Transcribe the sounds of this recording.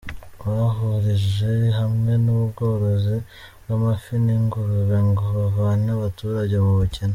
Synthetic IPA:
uɾaɦuɾiʒeɦamŋe̞nuβuβɡo̞ːɾo̞zi | bwamafiniŋɡuɾuβeŋɡoβavaːnaβatuɾaɟe̞muβuceni

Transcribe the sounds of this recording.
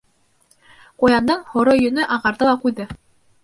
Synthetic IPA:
qujɑnd̪ɤɴhŏɾojɵ̆nɵʔɑʁɑɾðɤlˠɑqujðɤ

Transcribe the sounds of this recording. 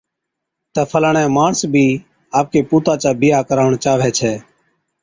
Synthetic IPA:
t̪əːpʰəlaːɳɛ̃ːmaːɳsbʱiː | aːp̚keːpuːt̪aːt͡ʃaːbɪjaːkəɾaːʋəɳt͡ʃaːʋɛːt͡ʃʰɛː

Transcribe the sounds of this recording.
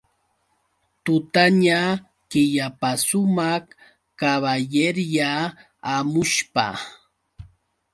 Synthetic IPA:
t̪ʊt̪aɲa | kɪʎapasʊma | kaβajeɾjaː | mʊʃpa̰

